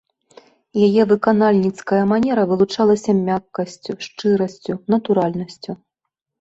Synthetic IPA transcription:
jajɛvɨkanalʲnʲit̪skɐjɐmanʲɛɾɐvɨlˠut͡ʂalˠɐsʲɐmʲakːɐsʲt͡sʲuʂt͡ʂɨɾɐsʲt͡sʲunɐt̪uɾalʲnɐsʲt͡sʲu

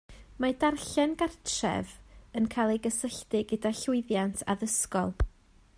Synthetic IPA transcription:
madarɬɛnɡartʰrɛ̰vənkʰajlˠejɡəsəɬdɪɡədaɬʊɨðjantʰa̰ðəskɔlˠ

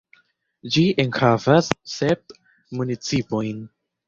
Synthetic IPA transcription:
d͡ʒiʔenhavasːep̚ | munit͡sipo̞jn

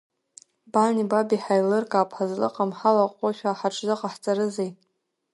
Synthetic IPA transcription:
banibabiħajlɨrkʼaːpʰħazlɨ̰qʼamħalaqʷʼoʃᶣaːħaʈ͡ʂʰzɨqʼaħt͡sʼaɾɨzejtʼ

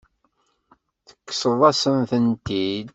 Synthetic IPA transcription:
θə̥kːsəðˤɑsəmθənt̪id̪

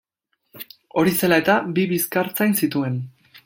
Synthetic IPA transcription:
o̞ɾise̞lae̞t̪abiβiskaɾt͡sajnsit̪ue̞n

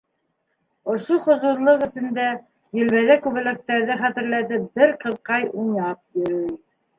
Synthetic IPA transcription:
ŏʃoχŏzuɾlˠoqɘ̆sɘ̆nd̪æ | jɵ̆lβæðækʉβɘ̆lɘ̆k̚t̪æɾðɘχæt̪ɘ̆ɾlæt̪ɘp̚bɘɾqɤ̆ðqɑjunɑp̚jɵ̆ɾɵj

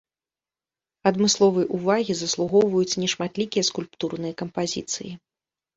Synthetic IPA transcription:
ɐd̪mɨslˠɔvɨjɐʔuvaɣʲizɐslˠuɣɔwvɐjut͡sʲnʲɛʂmat̪lʲikʲijɐskulʲpt̪urnɨjɐkɐmpazʲḭt̪sɨ̰ji

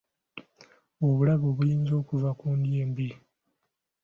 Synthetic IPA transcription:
oβulaβoβujiːnzo̞ːkuvakuːndje̞ːmbi

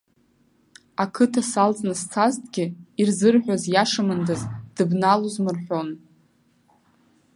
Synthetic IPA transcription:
akʰɨtʰasalt͡sʼnɨst͡sʰaztʼɡʲɪirzɨrħᶣʷazjaʂamɨndazd̥ɨbnaluzmɨrħʷᶣo̞n

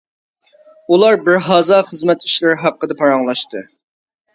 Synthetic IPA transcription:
ulˠɑɾbɪɾɦɑːzɑːχəzmɛt̪i̥ʃlɪɾɪɦɑqːəd̪ɛpʰɑɾɑŋlˠɑʃt̪ɨ

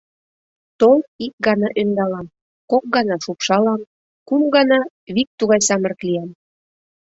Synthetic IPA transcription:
t̪olik̚ɡɑnɑʔønd̪ɑlɑm | kok̚ɡɑnɑʃupʃɑlɑm | kumɡɑnɑ | βik̚t̪uɣɑjsɑmə̆rklijɑm

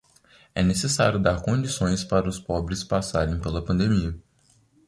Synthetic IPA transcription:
ɛ̰nesesa̰ɾʲjʊd̪aɾkõd͡ʒisõj̃spaɾɐʊspɔbɾɪspasaɾẽj̃pelɐpɐ̃nd̪emiɐ

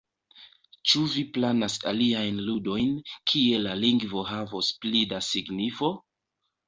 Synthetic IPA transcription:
t͡ʃuviplanasa̰liajnludo̞jnkʰie̞laliŋɡvo̞ɦavosplidasiɡnifo̞

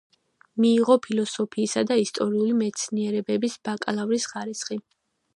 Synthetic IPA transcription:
miːʁɔpʰilˠɔsɔpʰiːsad̪aist̪ʼɔɾiulimɛt̪sʰniɛɾɛbɛbisb̥akʼlˠavɾisχaɾisχi

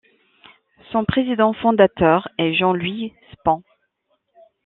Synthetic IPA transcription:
sɔ̃pχezid̪ɑ̃fɔ̃d̪at̪œʁɛʒɑ̃lɥispɑ̃

